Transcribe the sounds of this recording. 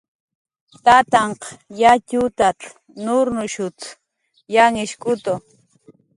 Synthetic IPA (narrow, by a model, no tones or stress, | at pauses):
t̪at̪ɑɴqjacʊt̪at͡ɬ | nʊɾnʊʃʊt͡s | jaŋɪʃkʊt̪o